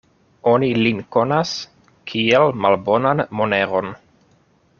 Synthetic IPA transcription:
o̞nilinko̞nas | kʰielmalbo̞nanmoneɾo̞n

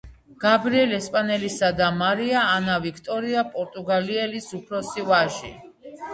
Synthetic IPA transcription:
ɡ̥abɾiɛlɛspʼanɛlisad̪amaɾiaːnavikʰt̪ʼɔɾiapʼɔɾt̪ʼuɡaliɛlisupʰɾɔsivaʒḭ

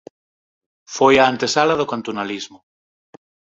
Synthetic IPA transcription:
fojaːnt̪esalaðokant̪onalizmo

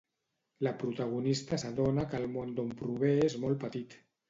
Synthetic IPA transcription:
lapɾut̪aɣ̞unist̪asaðonakəlmond̪ompɾuβ̞eezmolˠpət̪it̪

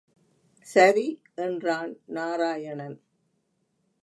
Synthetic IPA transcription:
sɐɾi | ɛndraːnnaːɾaːjɐɳɐn

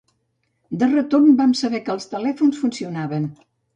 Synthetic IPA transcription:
d̪ərət̪ormbamsəβɛkəːlˠst̪əlɛfunsfunsiunaβən

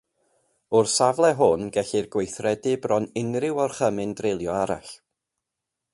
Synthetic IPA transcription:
ʊrsavlˠɛɦʊnɡɛɬirɡwejθrɛdɨbrɔnɪnrɪwɔrχəmɪndrelˠjɔaɾa̰ɬ

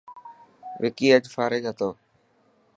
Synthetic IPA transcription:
ʋɪkiːəd͡ʒfaːɾeːd͡ʒɦət̪oː

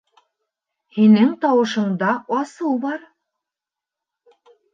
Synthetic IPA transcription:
hinɘŋt̪ɑwɤ̆ʃɤ̆ɴd̪ɑɑsɤlˠbɑɾ

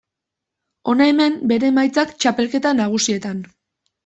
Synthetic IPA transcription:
o̞naeme̞mbe̞ɾe̞majt͡sakt͡ʃape̞lke̞t̪anaɣ̞usie̞t̪an

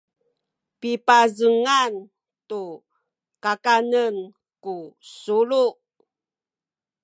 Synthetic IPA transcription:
pipazəŋan | tu | kakanən | kusuluʔ

